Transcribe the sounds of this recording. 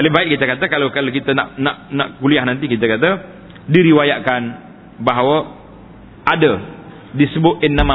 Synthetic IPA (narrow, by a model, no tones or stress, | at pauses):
alibaɪt̪̚kit̪əkat̪əkalawkalakit̪əna̰ʔnaʔnaʔkuliahnant̪ikit̪əkat̪̬ə | diɾiwajaʔkan | baɦawə | ʔadə | disəbʊt̪ɪnːama